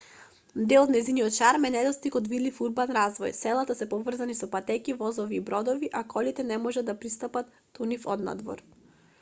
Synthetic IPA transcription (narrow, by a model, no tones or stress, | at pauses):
d̪ɛlˠɔd̪nɛziniɔt̪̚t͡ʃaɾmɛnɛd̪ɔst̪ikɔd̪vid̪lifuɾbanɾazvɔjsɛlˠat̪asɛpɔvr̩zanisɔpat̪ɛkivɔzɔviːbɾɔd̪ɔviʔakɔlit̪ɛnɛmɔʒad̪d̪ːapɾist̪apat̪ːunifɔ̰d̪na̰d̪vɔ̰ɾ